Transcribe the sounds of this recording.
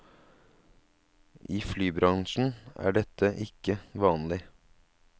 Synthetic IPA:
ʔiːflyːbɾɑŋʃn̩æ̰ːɖɛt̪əʔɪkəʋɑːnlɪ

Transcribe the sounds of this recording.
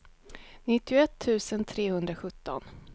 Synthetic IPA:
nɪt̪ːɪɔɛt̪ʰːʉ̟ːsənt̪ʰɾeːhɵnd̪ɾaɧɵt̪ːɔ̰n

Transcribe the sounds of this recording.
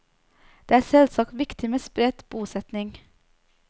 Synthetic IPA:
d̪̥eːæːɾsɛlsɑːkt̪ʋɪkt̪ɪmeːspɾɛd̪̥b̥uːsɛt̪nɪŋ

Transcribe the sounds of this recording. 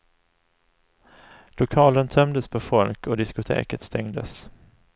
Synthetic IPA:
lʊkʰɑːlənt̪ʰœmd̪əspʰɔfɔlkɔd̪ɪskʊt̪ʰḛːkət̪st̪ɛŋd̪ə̰s

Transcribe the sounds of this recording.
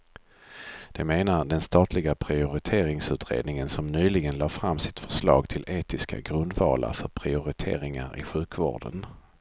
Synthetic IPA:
d̪̥ɛmeːnaɖɛnst̪ɑːt̪ʰlɪɡapʰɾɪʊɾɪt̪ʰeːɾɪŋsʉ̟ːt̪ʰɾḛːd̪nɪŋənsɔmnyːlɪɡənlɑːfɾamːsɪ̥t̪fœ̥ʂlɑ̰ːɡt̪ʰɪlʔeːt̪ɪska̰ɡɾɵnd̪vɑ̰ːla̰fœɾpʰɾɪʊɾɪt̪ʰḛːɾɪŋaɾɪ̰ɧʉ̟ːkvo̰ːɖə̰n

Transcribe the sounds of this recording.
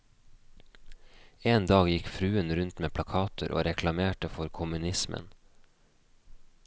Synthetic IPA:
eːnd̪ɑːɡjɪkfɾʉːənɾʉnt̪meːpʰlɑkʰɑːt̪ʰəɾʔo̰ːɾɛkʰlɑmeːʈəfɔɾkʰʊmʉnɪsmʔə̰n

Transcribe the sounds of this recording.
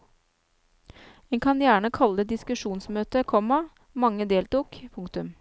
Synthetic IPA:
ɛŋkʰɑnjæːɳəkʰɑləd̪ɪskʉʃuːnsmøːt̪əkʰɔmɑ | mɑŋːəd̪eːlt̪uːkpʰʊŋk̚t̪ʉm

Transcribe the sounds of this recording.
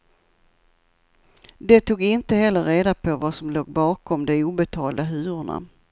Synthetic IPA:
d̪ɛt̪ʰuːɡɪnt̪əɦɛlːəɾeːd̪apʰɔvasɔmloːɡbɑːkʰɔmd̪ɛuːbɛt̪ʰɑːld̪aɦʉ̟ːɾʊɳa̰

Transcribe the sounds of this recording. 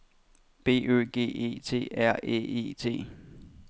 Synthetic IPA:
b̥e̝̰ːø̰ːɡ̥e̝̰ːe̝̰ːt͡sʰe̝̰ːæɐ̰ḛːe̝̰t͡sʰe̝̰ː

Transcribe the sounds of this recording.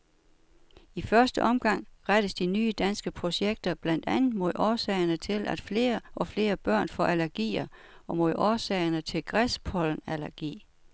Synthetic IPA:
ifɶɐsd̥əʔɒ̽mɡ̥ɑ̈ŋ̰ʁad̥əsd̥inyːəd̥ænsɡ̥əpʰʁo̝ɕeɡ̥̚d̥ɐb̥læn̰d̥ænð̩ˠmo̝ð̞̰ˠɒːsɛɪɐnət͡sʰe̝lʔæd̥fe̝ːɐʔɒ̽fle̝ːɐb̥ɶɐ̰nfɒʔælæɐɡ̥ḭːɐ | ɒ̽mo̝ð̰ˠɒːsɛɪɐnət͡sʰe̝lɡ̥ʁɛspʰɒ̽ln̩ælæɐɡ̥ḭː

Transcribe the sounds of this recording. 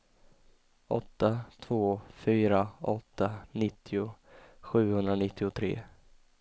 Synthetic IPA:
ʔɔ̰t̪ːat̪ʰvoːfyːɾaɔt̪ːanɪt̪ʰːɪʊɧʉ̟ːhɵnd̪ɾanɪt̪ːɪʊt̪ʰɾḛː

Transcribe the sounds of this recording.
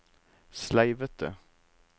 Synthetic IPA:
slæɪʋət̪ə̰

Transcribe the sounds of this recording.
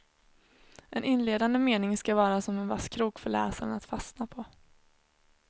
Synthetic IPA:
ʔɛnʔɪnleːd̪and̪əmeːnɪŋskavɑːɾasɔmɛnvaskʰɾuːkfœɭɛ̰ːsana̰t̪fasnapʰɔ

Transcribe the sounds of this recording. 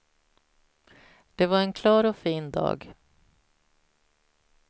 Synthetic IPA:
d̪̥ɛvaɾɛnkʰlɑːɾɔfiːnd̪ɑ̰ːɡ

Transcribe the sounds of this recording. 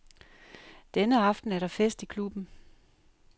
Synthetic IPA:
d̥enəɑ̈fd̥n̩æɐɾɑ̈fesd̥ikʰlub̥n̩

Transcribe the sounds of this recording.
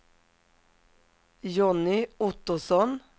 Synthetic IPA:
jɔnɪʊt̪ʊsɔn

